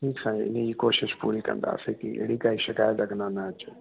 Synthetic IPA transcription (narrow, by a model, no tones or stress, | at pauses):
ʈʰiːksãːĩɪ̰ned͡ʑiːkoːʃɪʃpṵːɾikɐ̰̃nd̪a̰ːsekiḛɽikaːiʃɪkaːjət̪lɐɡnanaət͡ʃo